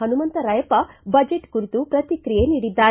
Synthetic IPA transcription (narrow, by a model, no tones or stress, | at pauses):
ɐnumɐnt̪ɐɾɐjɐpɐbɐd͡ʒeʈkuɾit̪upɾɐt̪ikɾijeniːɽid̪ːaː